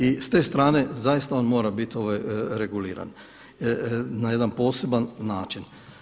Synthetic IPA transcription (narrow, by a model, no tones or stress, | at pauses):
ist̪e̞ːst̪ɾaːne̞zajist̪ao̞ːnmo̞ːɾabit̪o̞ʋajɾeɡuliːɾa̰n | naje̞d̪anpo̞ːse̞banːaːt͡ʃin